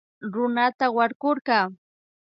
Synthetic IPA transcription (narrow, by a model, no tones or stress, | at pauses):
ɾʊnat̪awaɾkʊɾɢɑː